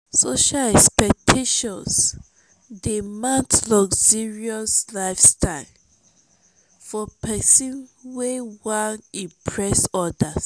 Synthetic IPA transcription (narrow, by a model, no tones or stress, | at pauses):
soʃalɛkspɛk̚tʰeʃɔ̃ns | dimãntlɔksiɹiɔslaɪfstʰaɪl | fɔpʰɛsĩnwewãnĩmpʰɹɛsɔdas